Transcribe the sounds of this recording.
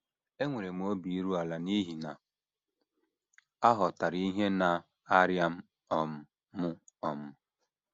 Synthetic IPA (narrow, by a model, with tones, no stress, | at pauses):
e˦ŋʷe˨ɾe˨m˨o˦bi˨˦ɾu˦a˨la˨ni˦ɦi˨na˨ | a˦ɦɔ˨ta˨ɾi˦ɦe˦na˨ | a˦ɾja˦m̩˦ | ɔ˨m̩˨ | mʊ˦ɔ˨mʊ˦